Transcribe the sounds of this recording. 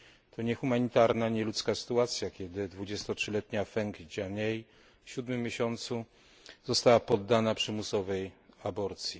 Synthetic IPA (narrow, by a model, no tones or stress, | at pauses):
t̪ʰɔɲɛxumaɲit̪aɾnaɲɛlut̪skasɘ̥t̪uat̪sʲjakʲɛd̪ɘd̪vud͡ʑɛst̪ɔtʂɘlɛt̪ɲafɛŋɡd͡ʑaɲɛj | fɕud̪mɘmʲːjeɕɔnt̪su | zɔst̪awapɔd̪ːanapʂɘmusɔvɛjabɔɾt̪sʲji